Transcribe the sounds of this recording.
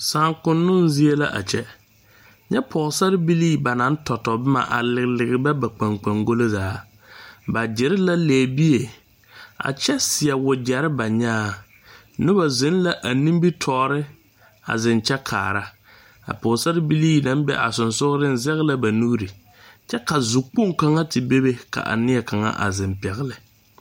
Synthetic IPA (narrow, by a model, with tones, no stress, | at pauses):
saː˨ŋkʊ˨nːʊ˦nzɪ˦e˦la̰˦ʔa̰˨t͡ʃɛ˦ | ɲɛ˦pʰɔ˨ɣsa˦ɾɪ˦bi˦liː˦ba˨na˨˦n̩˦tʰɔ˨tɔ˨bɪ˦ma̰˨ʔa̰˨lɪ˨ɣlɪ˨ɡɪ˨bɛ˦ba˨k͡pa˨ŋk͡pa˨ŋɡo˦lo˦zaː˨˦ | ba˨d͡ʒɪ˨ɾɪ˦la˦leː˨bi˦e˨ | a̰˨t͡ʃɛ˦sɪ˨ɛ˨wʊ˨d͡ʒɛ˨ɾɪ˦ba˨ɲaː˦ | nɪ˦ba˨zɪ˦n˦la˦ʔa˨nĩ˦m˦bi˦tʰɔː˨˦ɾɪ˦ | a̰˨zɪ˨nt͡ʃɛ˦kʰaː˨ɾa˦ | a̰˨pʊ˨sa˦ɾɪ˦bi˦liː˦na˨˦n˦bɛ̰˦ʔa̰˨sʊ˨nsʊ˦ɣɾɪ˦n̩˦zɛ˦ɣɪ˦la˦ba˨nu˦ɡɾi˨ | t͡ʃɛ˦ka˨zʊ˨k͡po˦ŋka˦ŋa˦tɪ˨be˦be˦ka̰˨ʔa̰˨nɪ˦ɛ˨ka˨ŋa̰˦ʔa̰˨zɪ˨mpɛ˨ɣɪ˦lɪ˨